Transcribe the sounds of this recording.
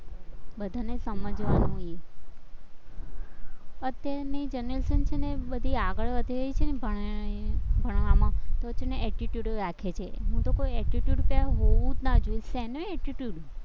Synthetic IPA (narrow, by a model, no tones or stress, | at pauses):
bəd̪ʱanesəməd͡ʒʋanũe | ət̪janid͡ʒənɾəlsənt͡ʃʰenebəd̪ʱiaɡəɭʋəd̪ʱiɾəjt͡ʃʰenebʱ | bʱəɳ̃ʋamãt̪ot͡ʃneʔɛʈiʈjuɖɾakʰet͡ʃʰeɦũt̪okojɛʈiʈjuɖpaɦoʋũd͡ʒnad͡ʒoisɛnoɛʈiʈjuɽ